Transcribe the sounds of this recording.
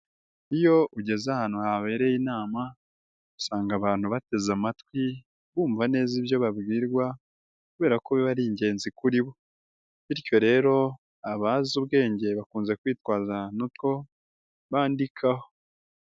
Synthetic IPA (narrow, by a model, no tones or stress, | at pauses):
ijo̞ʔuɟe̞zahaːnhuhaβe̞ːɾe̞jinaːma | usaːŋɡaβaːn̥huβate̞zamatwi | βuːɱvane̞ːziβjo̞βabɡiːɾɡwa | kuβe̞ːɾakoβiβaɾiːɲɟe̞ːnzikuɾiβo̞ | βiɾco̞ɾe̞ːɾo̞ | aβazuβɡe̞ːɲɟe̞βakuːnze̞kwiːtwaːzanutko̞ | βaːndikʰaho̞